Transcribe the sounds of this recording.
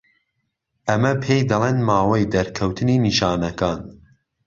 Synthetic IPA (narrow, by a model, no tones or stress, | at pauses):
ʔɐmɐpʰejd̪ɐlˠeːnmaːwejd̪ɐɾkʰɐwt̪ʰɨniːniʃɑːnɐkʰaːn